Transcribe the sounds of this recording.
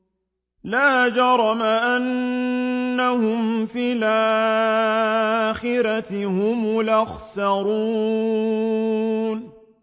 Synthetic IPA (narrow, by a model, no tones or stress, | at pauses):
laːd͡ʒɑɾˤɑmaʔanː | ahʊmfilʔa | xɪɾat̪ɪhʊmʊlʔaxsɑɾuː | n